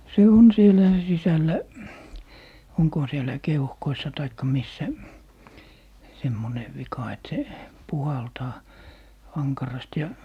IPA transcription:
se on sielæ sisælːæ oŋkohɑ sielːæ keuhkoisːɑ tɑikːɑ misːæ semːone ʋikɑ et se puhɑltɑː ɑŋkɑrɑst jɑ

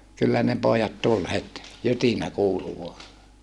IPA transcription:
kylːæ ne poːjɑt tul het jytinæ kuːlu ʋuɑ

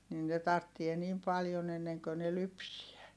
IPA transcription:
nin ne tɑrtːie niːm pɑljon enːeŋkø ne lypsiæ

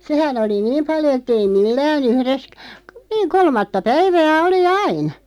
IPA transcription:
sehæn oli niːm pɑljo etːei milːæːn uhres k̆ niːŋ kolmɑtːɑ pæiʋæː oli ɑin̞

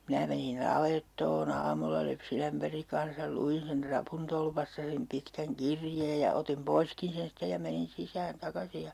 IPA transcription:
minæ menin nɑʋetːoːn ɑːmulːɑ lypsinæmpæriŋ kɑn̞sɑl luin sen trɑpuntolpɑstɑ sem pitkæŋ kirjeːj jɑ otim poiskin̞ sen sitːe jɑ menin sisæːn tɑkɑsi jɑ

